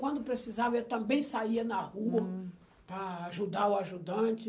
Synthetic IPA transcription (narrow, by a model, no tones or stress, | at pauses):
kwɐ̃nd̪ʊpɾesizavɐewt̪ɐ̃mbẽj̃saiɐnɐhuɐ | pɾɐːʒud̪aʊaʒud̪ɐ̃t͡ʃɪ